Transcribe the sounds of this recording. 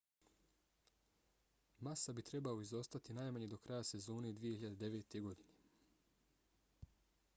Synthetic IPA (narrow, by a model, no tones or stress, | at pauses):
masabit̪ɾe̞baoizo̞st̪at̪inaːjmaɲed̪o̞kɾajase̞zo̞ːne̞d̪ʋije̞hiʎad̪ed̪e̞ʋe̞ːt̪e̞ɡo̞d̪ine̞